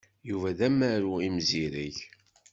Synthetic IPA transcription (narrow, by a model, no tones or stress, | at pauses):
juvæðæmæɾuimziɾəç